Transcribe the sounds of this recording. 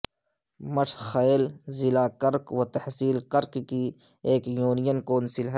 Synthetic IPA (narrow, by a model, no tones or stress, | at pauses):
mɐʈʰxajlzɪlaːkɐɾkwɐt̪ɐhsiːlkɐɾkkieːkjuːnijənkoːnsɪlɦɛ